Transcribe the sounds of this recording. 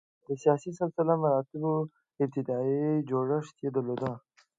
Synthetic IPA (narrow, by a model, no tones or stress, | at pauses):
d̪əsijɑsisɪlsəlamaɾɑt̪ɪbo | ɪb̚t̪ɪd̪ɑid͡ʒoɽəʂt̪jed̪əɾlod̪a